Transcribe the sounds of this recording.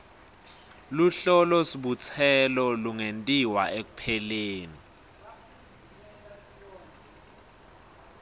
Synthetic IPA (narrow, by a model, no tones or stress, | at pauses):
luɬɔlɔsiɓut͡sʰɛlɔluŋentʼiwaek̬upʰɛleːni